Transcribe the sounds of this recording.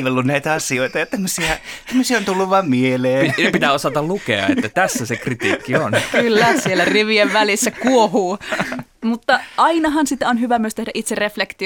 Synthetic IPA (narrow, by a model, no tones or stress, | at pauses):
ʋelːunnæit̪æɑsioit̪ɑjɑt̪æmːøsiæt̪æmːøsiæont̪ulːuʋɑmmieleːpit̪æosɑt̪ɑllukḛɑ̰ḛt̪ːæt̪æsːæsekrit̪ḭːkːionkylːæsielːæriʋieʋʋælisːækuohuː | mut̪ːɑʔɑinɑɦɑnsit̪ːæonhyʋæmyøst̪ehdæʔit̪sereflekt̪i